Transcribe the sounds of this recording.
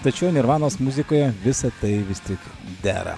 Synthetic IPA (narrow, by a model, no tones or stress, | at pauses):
t̪ɐt͡ʃʲɛʊnʲɪɾʋɑːnoːsmuzʲɪkoːjɛʋʲɪsɐt̪ɐɪʋʲɪst̪ʲɪk | d̪ʲæ̰ːɾɐ̰